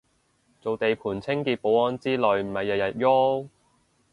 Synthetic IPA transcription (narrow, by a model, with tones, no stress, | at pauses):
t͡so˨wt̪e˨jpʰuː˨˩nt͡sʰɪ˥ŋkiː˧t̚po˨˧˥wɔː˨˧˥nt͡siː˥lɵ˨˧ɥm̩˨˩hɐ˨jːɐ˨t̚jɐ˨˩t̚jɔː˥